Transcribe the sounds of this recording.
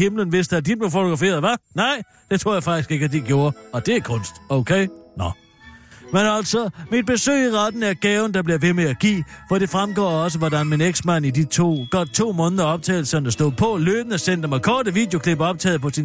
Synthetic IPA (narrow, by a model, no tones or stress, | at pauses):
hemlənʋe̝sd̥əæd̥ib̥le̝fot͡sʰoɡ̥ɑfe̝̰ːɐðˠʋɑ̈nɑ̈ɪ̰ | d̥e̝t͡sʰʁo̝ɐ̰jäɪfɑ̈ɡ̥isɡ̥e̝ɡ̥əæd̥iɡ̥jo̝ːɐɒ̽d̥e̝ækʰɔ̽n̰sd̥oʊkʰeɪnɒ | menæl̰sɒmid̥̚b̥e̝sø̰ːɪiʁad̥n̩æɐɡ̥ɛːʊn̩d̥ɑ̈b̥liɐʋe̝meæɡ̥ḭːfɒɾe̝fʁamɡ̥ɒ̰ːɒ̽s̬əʋɒd̥ænmeneɡ̥smæn̰idit͡sʰo̝̰ːɡ̥ɒd̥̚t͡sʰo̝̰ːmɔ̽ːnðˠɐɒ̽b̥̚t͡sʰɛ̰ːɪl̩sɐnæsd̥o̝ð̰ˠpʰɒ̽løːb̥n̩æsen̰d̥əmɑɪkʰɒːɾ̥əʋiːd̥jokʰleb̥ɒ̽b̥̚t͡sʰɛ̰ːðˠpʰɒ̽si